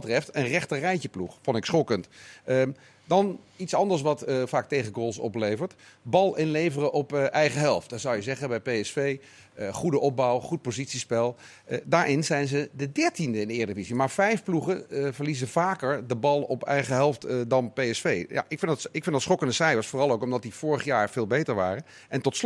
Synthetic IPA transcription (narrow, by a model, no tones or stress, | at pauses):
bətrɛftənrɛχtərɛjcəpluχfɔntɪksχɔkəntə | dɑnitsɑndəɹs̬ʋɑtvaːk̚tejχəɡoːlˠsɔ̰plejvəɹtbɑlˠɪnlejvərəʔɔpʔɛjχəɦɛlˠft̚dɑtz̥ʌwjəzɛχəbɛjpejɛsfej | əχudəʔɔp̚bɔwχut̚pozitsispɛlˠ | daːɹʔɪnzɛjnzədədɛɹtindəɪndɪːɹdəvizimaːɹvɛjfpluχənvəɹlizəvaːkəɹdəbɑlˠɔpɛ̰jχəɦɛlˠftdɑnpejɛsfejja̰ʔɪkfɪndtɪkfɪndɑtsχɔkəndəsɛjɑsfoːrɑlˠowkɔmdɑt̚div̥ʊːɹəχjaːɹv̥ɪːlˠbejtəɹʋa̰ːrən | ʔɛntɔts